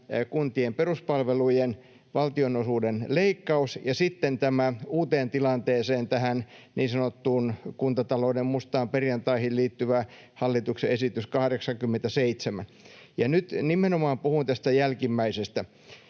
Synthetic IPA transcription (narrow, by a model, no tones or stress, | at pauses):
kunt̪iemperuspɑlʋeluijen | ʋɑlt̪ionosuːdenleikːɑusjɑsit̪ːent̪æmæuːt̪eːnt̪ilɑnt̪eːseːnt̪æhænniːnsɑnot̪ːuːnkunt̪ɑt̪ɑloːdemmust̪ɑːmperjɑnt̪ɑihilliːt̪ːyʋæ | hɑlːit̪ukseesit̪yskɑhɾeksɑŋkymːent̪æseit̪semæ̰n | jɑnyt̪nimenomɑːmpuhunt̪æst̪æjælkimːæisest̪æ